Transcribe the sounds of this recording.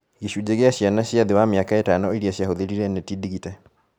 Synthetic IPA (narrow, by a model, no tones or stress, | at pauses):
ɣiʃud͡ʑeɣeaɕjanaɕiaðewameakaetanɔeɾiaɕjahoðeɾiɾɛnetidiɣitɛ